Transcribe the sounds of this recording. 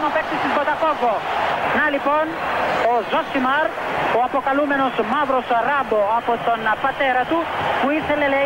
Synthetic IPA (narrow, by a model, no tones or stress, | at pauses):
mapɛk̚t̪isisbɔt̪akɔɡɔnalipɔnɔzɔsimaɾ | ɔapɔkalumɛnɔsɔmabɾɔsɔaɾabɔapɔt̪ɔnːapat̪ɛɾat̪ukuizɛlɛlɛ